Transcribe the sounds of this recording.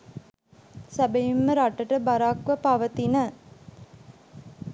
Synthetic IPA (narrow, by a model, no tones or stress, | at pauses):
sæbejimːəɾaʈəʈəbaɾaːkʋəpaʋət̪inə